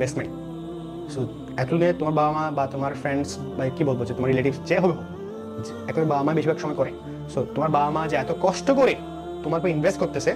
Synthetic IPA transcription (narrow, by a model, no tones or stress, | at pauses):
esʈmeɳʈ | so | ɛklunet̪omaɾbamabat̪omaɾfɾeɳɖs | bajkibolbot͡ɕʰet̪omaɾileʈibsd͡ʑeɦɔbeɦo | ɛkobamabeʃibɛkʃɔmɔekɔɾe | sot̪omaɾbamad͡ʑeɛt̪okɔʃʈokoɾe | t̪omaɾpɔinvʱesʈkoɾt̪ee